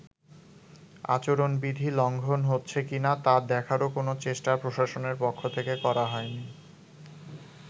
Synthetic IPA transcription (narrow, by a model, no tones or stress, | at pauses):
a̰t͡ɕoɾonbid̪ʱilɔŋɡʱonɦotːɕʰekinat̪ad̪ɛkʰaɾokonot͡ɕeʃʈapɾoʃaʃoneɾpokʰːot̪ʰekekɔɾaɦɔeni